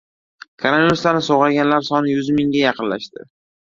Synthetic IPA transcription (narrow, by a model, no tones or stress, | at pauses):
kʰaɾanɪɾslanɪsoʁaɡʲanlaɾsɒnɪjʊzmɪŋɡʲajɑqʰɨnlaʃt̪ɪ